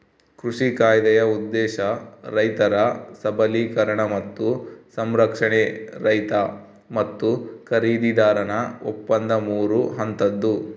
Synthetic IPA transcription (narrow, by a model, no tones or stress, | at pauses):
kɾuʂikaːjɐd̪ɐjɐud̪ːɛːʃɐɾɐjt̪ɐɾɐsɐbʱɐliːkɐɾɐɳɐmɐt̪ːusɐmɾɐkʂɐɳeɾɐjt̪ɐ | mɐt̪ːukɐɾiːd̪id̪aːɾɐnɐopːɐnd̪ɐmuːɾuɦɐnt̪ɐd̪ːu